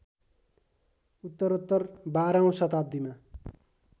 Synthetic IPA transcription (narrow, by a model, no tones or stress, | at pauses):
ut̪ːʌɾot̪ːʌrbaɾaũsʌt̪ab̚d̪ima